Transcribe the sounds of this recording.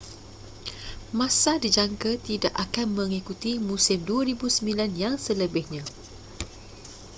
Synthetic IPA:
mãsadid͡ʒaŋkat̪idaʔakanmə̃ŋikut̪imũsɪmduaɾibusəmbilanjaŋsələbɪhɲã

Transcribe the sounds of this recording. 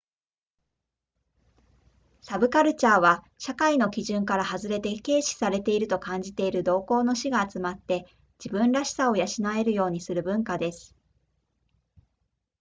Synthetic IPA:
sabɯ̟kaɾɯ̟t͡ɕaːβa | ɕakaino̞kʲiʑɨ̃ŋkaɾahazɨɾe̞t̪e̞ke̞ːɕi̥saɾe̞t̪e̞iɾɯ̟t̪o̞kãɲ̟d͡ʑit̪e̞iɾɯ̟d̪o̞ːko̞ːno̞ɕiɡaːt͡sɨmat̪ːe̞ | d͡ʑibɯ̟̃nɾaɕi̥sao̞jaɕinae̞ɾɯ̟jo̞ːɲ̟isɨɾɯ̟bɯ̟̃ŋkad̪e̞sɨ̥

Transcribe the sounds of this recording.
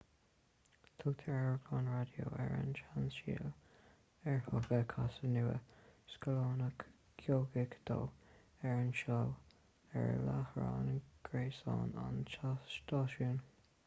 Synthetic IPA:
t̪ʰʊɡt̪ʰəɹɛɹəɡlɑːnɹad̪jo̰ːɛɹa̰nʃansḭːl | ɛɹhʊɡəkʰasənuːə̰skəloːnək | kʰjoːɡɪkd̪̥oː | ɛɹənʃɔw | ɛɹlahɹɑːnɡ̥ɹeːsɑːnant͡ʃat̪ɑːʃun

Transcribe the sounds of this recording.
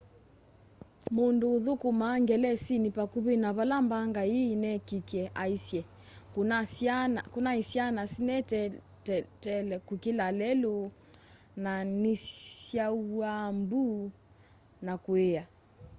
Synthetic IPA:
munduðukumaŋɡɛlɛsinipakuβinaβalambaŋɡaiːnɛkikɛʔaisjɛ | kunasanakunaisjanasinɛtɛ | tɛlɛkukilalɛlu | nanisjauambu | nakuɛa

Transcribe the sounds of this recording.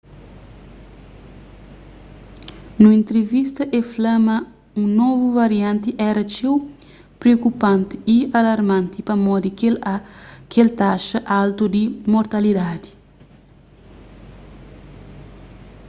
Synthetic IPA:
nuĩnt̪ɾevist̪ɐʔeflɐmɐ | ũnɔvuvaɾjãnt̪iʔɛɾɐt͡ʃiw | pɾeokupãnt̪i̥ialɐɾmãnt̪ipɐmɔd̪ik | kelt̪aʃɐʔalt̪ud̪imoɾt̪ɐlid̪ad̪i̥

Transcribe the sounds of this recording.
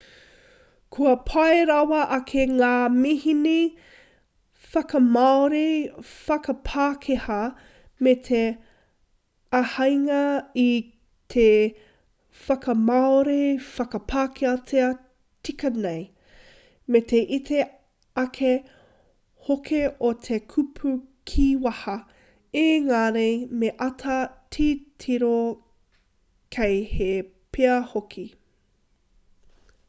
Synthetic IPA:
kʰuɐpʰɐeɾɐwɐʔɐkʰeŋaːmihine | fɐkɐmaoɾefɐkɐpʰaːkʰehɐ | metʰe | ɐhɐjŋɐi | t̪ʰe | fɐkɐmaoɾefɐkɐpʰaːkʰeɐtʰeɐ | tikɐnej | met̪ʰeʔitʰe | ɐkʰe | hokʰeʔot̪ʰekʰupʰukʰiːwɐhɐ | eŋaːnejmeʔɐtʰɐtʰiːtʰiɾo | kʰejhe | pʰeɐhokʰi

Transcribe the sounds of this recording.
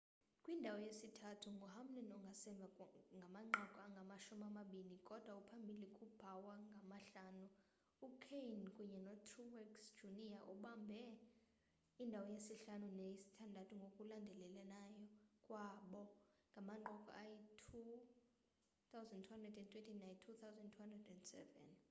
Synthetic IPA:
kʼwindʱawɔjesitʰatʰuŋɡʱɔɦam̩nɛnɔŋɡʱasɛmbvʱaŋɡʱamaŋ͡ǃɔkʼɔaŋɡʱamaʃumamaɓinikʼɔd̥ʱwaupʰambʱilikʼub̥ʱawaŋɡʱamaɬaːnu | ukʰejnkʼuɲɛnɔtʰuwɛksd͡ʒuniaʔṵɓambʱɛ | indʱawɔjesiɬanunesi̥tʰandʱatʼʰuŋɡʱokʼulandʱɛlɛlɛnajɔkʼwaɓɔŋɡʱamaŋ͡ǃɔkʼɔ̰ʔajitʰu | θawzɛndtʰuhandrɛdɛntʰwentʰʼinajntʰut̪ʰawzɛndtʰuhandrɛdɛndsɛ̰vɛ̰n

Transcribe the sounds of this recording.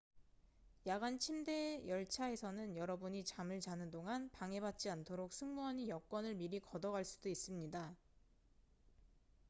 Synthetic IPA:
jaɡant͡ɕʰimde̞jʌɭt͡ɕʰae̞sʰʌnɯnjʌɾʌbuɲit͡ɕamɯɭt͡ɕanɯndoŋanpaŋe̞bat̚t͡ɕ͈iantʰoɾok̚sʰɯŋmuɦaɲijʌk͈wʌnɯɭmiɾikʌdʌɡaɭs͈udois͈ɯmɲida

